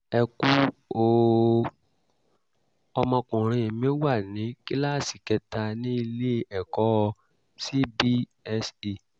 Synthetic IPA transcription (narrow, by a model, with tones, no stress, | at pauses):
ɛ˧ku˦o˦˨ | ɔ˧mɔ̃˧kũ˨ɾ̃ĩ˧˨mĩ˦wa˦˨nĩ˨˦ki˦la˦˨si˨kɛ˧ta˧nĩ˦i˧le˦ɛ˨kɔ˨˦˧ | si˦bi˦ | ɛ˦si˦˨